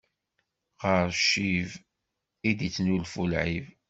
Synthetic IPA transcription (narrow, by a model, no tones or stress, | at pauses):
ʁəɾʃːiv | id̪it͡sːnulfulʕiv